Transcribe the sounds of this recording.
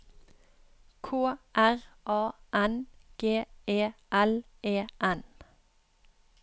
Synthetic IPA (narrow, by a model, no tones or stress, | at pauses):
kʰoːʔæʁʔɑːʔɛnɡ̥eːʔeːʔɛl | ʔeːʔɛn